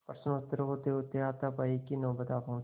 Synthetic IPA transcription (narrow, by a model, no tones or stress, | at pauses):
pɐɾsənot̪ːəɾɦoːt̪eɦoːt̪eaːt̪apaikinõːbɐt̪aːpõː